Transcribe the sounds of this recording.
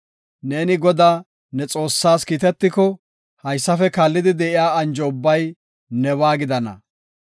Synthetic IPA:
ne̞ːnɪɡɔd̪aː | nɛt͡sʼo̞ːsːaːskiːt̪ɛt̪ːɪkɔ | hɐjsːɐfɛkaːlːɪd̪ɪd̪ɛʔɪjaːɐnd͡ʒɔʊbːɐj | nɛwaːɡɪd̪ɐnɐ̰

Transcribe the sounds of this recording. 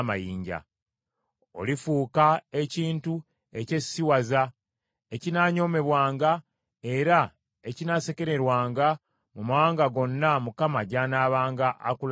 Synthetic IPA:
ma̰jiːɲɟa̰ | o̞̰lifuːkae̞ciːntu | e̞ce̞siwaza | e̞cinaːɲo̞me̞βwaːŋɡa | e̞ɾa | e̞cinase̞ke̞ɾe̞ɾwaːŋɡa | mumawaːŋɡaɡo̞nːamukamaɟanaːβaːŋɡaʔːkul

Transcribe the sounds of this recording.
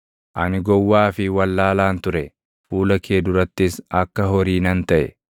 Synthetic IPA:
ʔɐnɪɡɔwːaːfɪwɐlːaːlaːnt̪ʊɾɛ | fuːlɐkʰeːd̪ʊɾɐt̪ːɪsɐkːɐɦɔɾiːnɐnt̪ɐʔɛ̰

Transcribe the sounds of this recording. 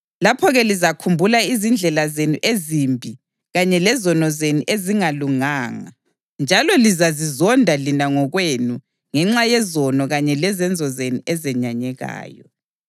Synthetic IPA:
lapʰɔɣɛlizakʰumbʱulaizind͡ɮʱɛlazenuʔezimbʱi | ɣaɲɛlɛzɔnɔzenuʔeziŋaluŋaːŋa̰ | nd͡ʒʱalɔlizazizɔndʱalinaŋɔɣwenu | ŋɛŋ͡ǁajɛzɔnɔɣaɲɛlɛzɛnd͡zʱɔzenuɛzɛɲaɲɛɣa̰ːjɔ̰

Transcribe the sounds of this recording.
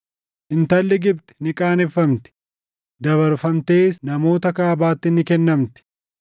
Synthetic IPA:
ʔɪnt̪ɐlːɪɡɪbt̪ɪ̥nɪkʼaːnɪfːɐmt̪ɪ̥ | d̪ɐβɐɾfɐmt̪e̞ːsnɐmo̞ːt̪ɐkaːbaːt̪ːɪnɪkɛnːɐmt̪ɪ̥

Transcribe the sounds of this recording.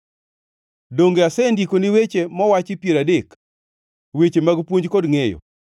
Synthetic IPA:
doŋɡeasɛndikoniwet͡ʃemɔwat͡ʃɪpjeɾadek | wet͡ʃemaɡpwoɲd͡ʒkodŋejo̰

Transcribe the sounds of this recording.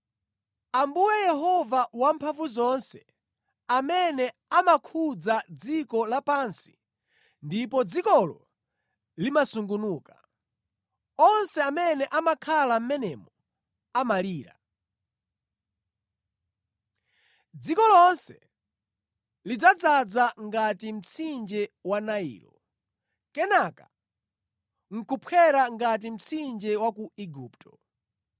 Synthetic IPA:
ambuwɛjɛɦɔvawampʰaɱvuzɔnsɛ | amɛnɛ | amakʰud͡zad͡zikɔlapansi̥ | ndipɔd͡zikɔlɔ̰ | limasuŋɡunuːkḁ | ɔnsɛamɛnɛʔamakʰalam̩mɛnɛmɔ | amaliːɾa̰ | d͡zikɔlɔnsɛ | lid͡zad͡zad͡zaŋɡatim̩t͡sʰind͡ʒɛwanaḭːɾɔ̰ | kɛnaka | ŋ̩kupʰɛɾaŋɡat̬im̩t͡sʰind͡ʒɛwakuiɡuːptʰɔ

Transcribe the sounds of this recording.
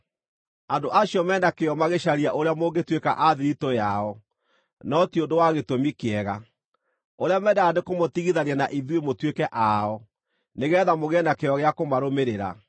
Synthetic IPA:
andoʔaɕiɔmɛːnakeɔmaɣeɕaɾiaʔoɾeamoɡetweka̰ʔaðiɾitɔjaɔ | nɔtiondowaɣetomikeɛɣa | oɾeamɛdaːnekomotiɣiðananaʔiðwemotwekɛʔaɔ | neɣɛːðamoɣɛnakeɔɣeakomaɾomeɾeɾa̰

